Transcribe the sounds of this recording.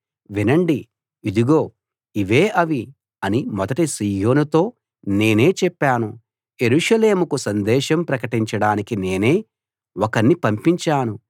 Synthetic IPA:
ʋinɐɳɖi | id̪uɡo̞ː | iʋe̞ːʔɐʋi | ɐnimɔd̪ɐʈisiːjo̞ːnut̪o̞ː | ne̞ːne̞ːt͡ʃɛpːaːnu | je̞ɾuːʂɐle̞ːmukusɐnd̪ɛːʃɐmpɾɐkɐʈiɲt͡ʃɐɽaːnikine̞ːneː | wɔkɐnːipɐmpiɲt͡ʃaːnu

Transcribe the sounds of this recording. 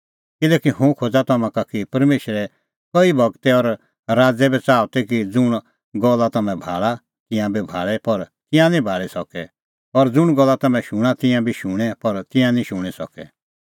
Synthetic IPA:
kɪlɛːkihũkʰod͡zat̪ɐmãkakipɐɾmeːʃɾɛ | kɔibʱɐɡt̪ɛɔɾ | ɾaːd͡zɛbɛt͡saːɔt̪ɛkid͡zʊɽ̃ | ɡɔlːat̪ɐmɛ̃bʱa̰ːɭa | k̪ɪ̃jãbʱibʱa̰ːɭɛpɐɾt̪ɪ̃jãnĩbʱaːɭɛsɔkɛ | ɔɾd͡zʊɽ̃ɡɔlːat̪ɐmɛ̃ʃʊɽ̃at̪ɪ̃jãbʱiʃʊɽ̃ɛpɐɾt̪ɪ̃jãnĩʃʊɽ̃isɔ̰kɛ̰

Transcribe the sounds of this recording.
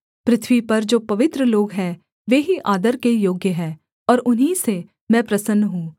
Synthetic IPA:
pɾɪt̪ʰʋipɐɾd͡ʒoːpɐʋɪt̪ɾəloːɡɦɛː | ʋeːɦiʔaːd̪əɾkejoːɡjəɦɛ̃ː | ɔːɾʊnɦise | mɛ̃ːpɾɐsənːɦũː

